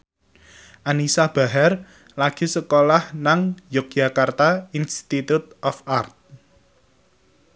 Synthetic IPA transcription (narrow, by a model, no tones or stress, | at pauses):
ʔanisab̥a̤ɦɛr | laɡ̥i̤səkolahnaŋjɔk̚d͡ʒ̥a̤kart̪ainst̪it̪ut̪ʔɔfart̪̚